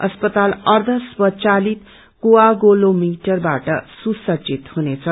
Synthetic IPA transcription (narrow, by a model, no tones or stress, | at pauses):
ʌspʌt̪alʌrd̪ʱʌswʌt͡salit̪ | koaɡolomiʈʌrbaʈʌsusʌt͡sit̪hunet͡sʰʌ